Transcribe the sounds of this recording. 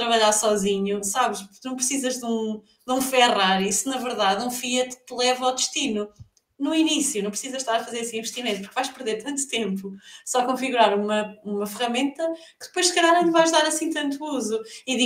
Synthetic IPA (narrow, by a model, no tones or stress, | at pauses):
t̪ɾɐβɐʎaɾsɔziɲusaβɨʃpuɾunɐ̃w̃pɾɨsizɐʒðũ | d̪ũfɛʁaɾisɨnɐvɨɾðaðũfiɐt̪t̪lˠɛvɐawðɨʃt̪inu | nuinisjunɐ̃w̃pɾsizɐʃt̪aɾɐfɐzeɾɐsĩĩvɨʃt̪imẽt̪upuɾkvajʃpɨɾðeɾt̪ɐ̃nt̪u̥t̪ẽmpusɔɐkõfiɣuɾaɾumɐumɐfɨʁɐmẽnt̪ɐkɨðɨpojʃkɐʎaɾɐ̃vajʒðaɾɐsĩt̪ɐ̃nt̪uuzuiði